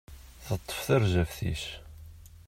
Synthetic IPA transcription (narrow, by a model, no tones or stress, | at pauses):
θət̪ˤːə̥fθəɾʒæfθḭʃ